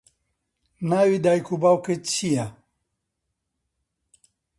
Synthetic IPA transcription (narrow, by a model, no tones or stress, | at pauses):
nawid̪ajkubawket͡ɕʰija